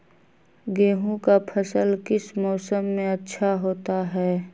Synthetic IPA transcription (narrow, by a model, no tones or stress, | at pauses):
ɡeːɦũkapʰəsəlkɪsmɔːsəmːẽɐtːʃʰaɦoːt̪aɦɛː